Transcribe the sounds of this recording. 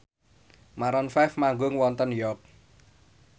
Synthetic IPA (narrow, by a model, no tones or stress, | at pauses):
maɾɔnfɛfmaŋɡʊŋwɔnt̪ənjɔk̚